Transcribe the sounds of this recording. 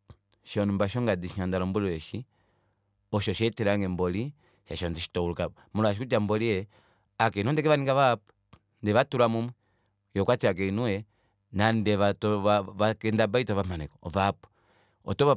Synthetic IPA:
ʃɔnumbaʃɔŋɡadiʃandalɔmbuliwɛʃi | ɔʃɔʃɛtɛɾaŋɡɛmbɔli | ʃaʃɔndiʃi̥tɔuluka | muluaʃikud͡ʒambɔliɛ | akɛinwɔndɛkɛβaniŋɡaβapu̥ | ndɛβatuɾamumwɛ | jɔkwatiak̬ɛnuɛ | nandɛβatɔakɛndabaitɔβamanɛkɔɔvapu̥ | ɔ̰tɔβa

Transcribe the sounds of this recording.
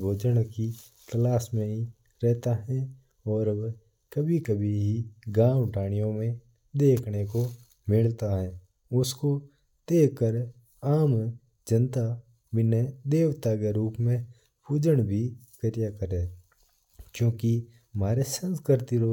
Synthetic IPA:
boːd͡ʒəɽ̃ki | t̪əlaːsmẽɦi | ɾɛɦt̪aɦɛ̃ | ɔːɾ | kɐbʱikɐbʱiɦiɡãːwʈʰaːɽ̃ijõmẽ | d̪eːkʰneko | mɪlt̪aɦɛː | ʊsko | t̪eːkəɾ | aːm | d͡ʒə̃nt̪a | bɪned̪eːwt̪aːɡeɾuːpmẽ | pʰuːd͡ʒəɽ̃bʱikəɾɪjakəɾeː | kjõːki | maːɾesə̃nskɾəɾt̪iɾoː

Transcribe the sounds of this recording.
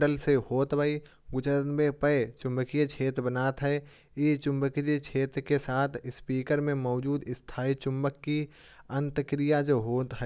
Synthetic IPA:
ɖəlsehoːt̪bai | ɡʊt͡ʃənbẽpəet͡ʃʊ̃mbəkijat͡ʃʰeːt̪ɾbənaːt̪ɦɛ | it͡ʃʊ̃mbəket͡ʃʰeːt̪ɾkesaːt̪ʰɪspiːkəɾmẽmɔːd͡ʒuːd̪ɪst̪ʰaːit͡ʃʊ̃mbəkːi | ə̃nt̪əkɾijad͡ʒoːɦoːt̪ɦɛ

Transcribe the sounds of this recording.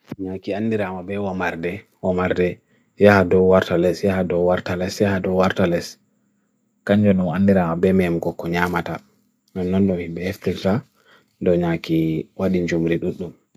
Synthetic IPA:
ɲakianːdiɾamabɛwamaɾdɛ | wamaɾdɛ | jahadɔwaɾtalɛsjahadɔwaɾtalɛsjahadɔwaɾtalɛs | kaɲd͡ʒɔnunanːdiɾamabɛmɛmɡɔkːɔɲamata | nɔnːɔnɗɔmhimbɛheft̪iɾta | dɔɲakiwaɗind͡ʒumɾiɗuɗːum

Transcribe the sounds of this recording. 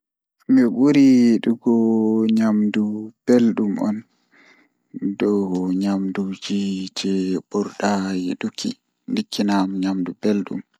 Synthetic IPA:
miɓuɾiɗuɡɔɲamdub̥elɗumɔ̰n | dɔɡɔɲamdud͡ʒid͡ʒɛbɔɾɗajiɗukʰḭ | ndikʰːinamɲamdubelɗṵm

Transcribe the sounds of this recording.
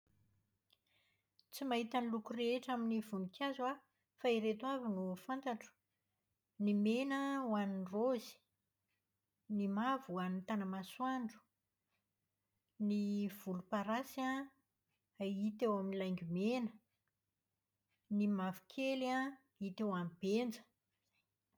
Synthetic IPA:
t͡simaɦit̪anlukureeʈ͡ʂaminivunikʰʲazwa | faiɾet̪uavinufant̪aʈ͡ʂə̥ | nimenəwaninrozi̥ | nimavuanint̪anəmaswaɳɖ͡ʐu̥ | niv̥ulupaɾasa | it̪ewaminilajŋɡʲumenə | nimavu̥kʰela | it̪ewamb̥end͡zə̥

